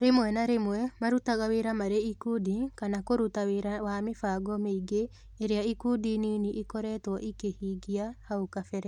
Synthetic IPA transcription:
ɾemwɛnaɾemwɛmaɾutaɣaweɾamaɾeikudikanakoɾutaweɾawamefaɡɔmeiɡeː | ɾeaikudiniːniʔikɔɾɛtwɔʔikehiːɡiahaukafɛɾɛ

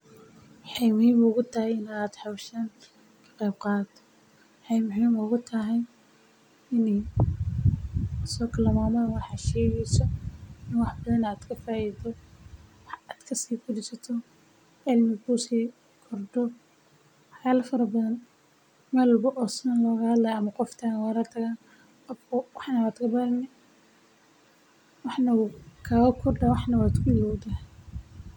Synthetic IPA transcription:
wħɑjmʊhiːmʊɣʊt̪ʰɐhɛjɪnaːd̪ħɑwʃaːn | kʰɐ̥qɛjb̚qɑːt̪ʰɔ̥ | wħɑjmʊɦiːmʊɣʊt̪ʰɐɦɛj | ɪn | sɔːkʰɐlɐmaːmɐwɑħɑʃɛːɣɛjsɔɪnwɑħbɐðɐnaːd̪kʰɐfaːjid̪ɔwħaːd̪kʰɐsiːkʰʊdɪsɐt̪ʰɔ | ɛlmɪkʰusiː | kʰɔrɖɔ | wħjaːlɐfɐɾɐbɐðɐn | mɐllbɔʔɔːsnɐnlɔːɣɐhɐd̪lɐjɐmɐqɔft̪ʰaːnwaɾat̪ʰɐɣaːn | ɔɔwɑħnɐwaːd̪kʰɐbaɾnɪ | wɑħnɐkʰaɣɐkʰɔrɖɐwɑħnɐwaːd̪kʰʊɪlɔwd̪a

